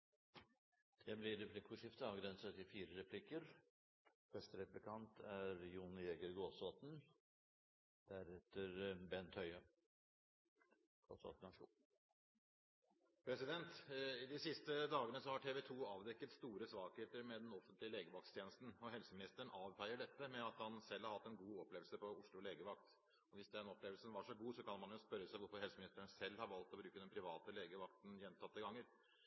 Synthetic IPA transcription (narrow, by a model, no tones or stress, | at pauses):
d̪̥ɛblɪɾɛpʰlɪkːfʊʂɪft̪əɑːʋɡɾɛnsət̪ɪfiːɾəɾɛpʰlɪkːəɾ | fɛst̪əɾɛplɪkʰɑnt̪ʰæɾjuːnɪeːɡəɾɡoːsoːt̪n | d̪̥æɾɛt̪ːəɾbɛnt̪ʰhœʏə | ɡ̥o̰ːsɔ̰t̪ənɑʂṵː | pʰɾɛsɪd̪ɛnt̪ɪd̪ɪsɪst̪əd̪ɑːɡənəsɔhɑʈʰeːʋɛt̪ʰuːɑːʋd̪ɛkːət̪st̪uːɾəsʋɑːɡheːt̪əɾmɛd̪ɛnɔfənt̪lɪəleːɡəʋɑkt̪st̪ʰjeːnəst̪n̩ɔɦɛlsəmɪnɪst̪əəɳ̩ɑːʋfæɪəɖɛt̪ːəmɛɑt̪hɑnsɛlːhɑɾhɑt̪ːɛnɡuːɔpːleːʋəlsəpɔʊʂɭʊleːɡəʋɑk̚t̪ | ɔʋɪsd̪ɛd̪ɛnɔpleːʋəlsənʋɑʂɔɡuːsɔkɑnmɑnjʊspœɾːəsæɪʋʊɾfɔɾhɛlsəmɪnɪst̪əəɳ̩sɛlːhɑɾʋɑlt̪ɔbɾʉːkəd̪ɛnpʰɾɪʋɑːt̪əleːɡəʋɑkt̪n̩jɛnt̪ʰɑt̪ːəɡɑŋːəɾ